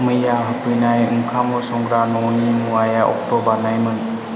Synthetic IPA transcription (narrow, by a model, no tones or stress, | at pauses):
mɯjaɦɯtujnajɯŋkʰamɔsɔŋɡɾanɔwnimuwajaʔɔ̰k̚tɔbaɾnajmɯn